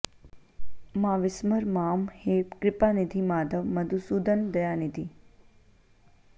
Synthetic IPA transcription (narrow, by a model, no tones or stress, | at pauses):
mãʋɪsməɾmaːmheːpkɾɪpanid̪ʱimaːd̪ʱəʋməd̪usud̪ənd̪əjanid̪ʱi